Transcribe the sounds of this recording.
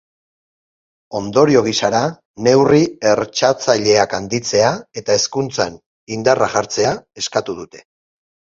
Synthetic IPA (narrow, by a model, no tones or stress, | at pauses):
o̞nd̪o̞ɾio̞ɣ̞isaɾa | ne̞wrie̞ɾt͡ʃat͡saʎe̞akand̪it͡se̞ae̞t̪ae̞skunt͡sa̰n | ind̪araʝaɾt͡se̞ae̞skat̪uðut̪e̞̥